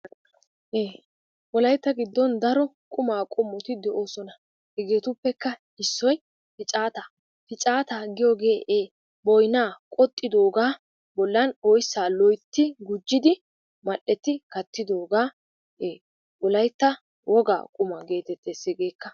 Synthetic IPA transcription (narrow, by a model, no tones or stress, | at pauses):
ʔeː | wɔlɐjt̪ːɐɡɪd̪ːɔnd̪ɐɾɔkʼʊmaːkʼɔmːɔt̪ɪd̪ɛʔo̞ːsɔnɐ | hɛɡe̞ːt̪ʊpːɛkːɐ | ɪsːɔj | pɪt͡ʃʼaːt̪a | pɪt͡ʃʼaːt̪aːɡɪjoːɡeːʔeː | bɔjnaːkʼɔt̪ʼːɪd̪o̞ːɡaː | bɔlːɐnɔjsːaːlɔjt̪ːɪɡʊd͡ʒːɪd̪ɪ | mɐʔːɛt̪ːɪkɐt̪ːɪd̪o̞ːɡaː | ʔeː | wɔlɐjt̪ːɐ | wʔɔɡa̰ːkʼʊmɐɡe̞ːt̪ɛt̪ːeːsɪɡeːkːɐ